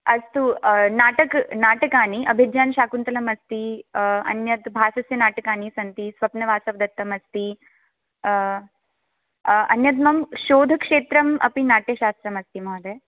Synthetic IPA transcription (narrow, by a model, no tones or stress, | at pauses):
ɐst̪unaːʈɐknaːʈɐkaːniʔɐbʱidjaːnʃaːkunt̪ɐlɐmɐst̪iɐ̰njɐt̪bʱaːsɐsjɐnaːʈɐkaːnisɐnt̪isʋɐpnɐʋaːsɐʋd̪ɐt̪ːɐmɐst̪i | ɐ̰njɐt̪̬mɐmʃoːd̪ʱɐkʂeːt̪ɾɐmɐ̰pinaːʈjɐʃaːst̪ɾɐmɐst̪imɐɐd̪e